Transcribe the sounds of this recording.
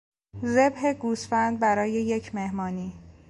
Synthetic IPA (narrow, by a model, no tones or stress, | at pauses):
ze̞bɦe̞ɡusfænd̪̚bæɾɒːje̞je̞cʰme̞hmɒːniː